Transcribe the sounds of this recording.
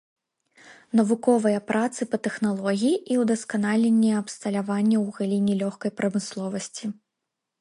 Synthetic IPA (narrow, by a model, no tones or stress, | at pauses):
nɐvukɔvɐjɐpɾʔat̪sɨpɐt̪ɛxnalˠɔɣʲijiʔiwd̪ɐskanalʲenʲːɛɐpst̪ɐlʲavanʲːɐwɣalʲinʲilʲɔxkɐjpɾɐmɨslˠɔvɐsʲt͡sʲi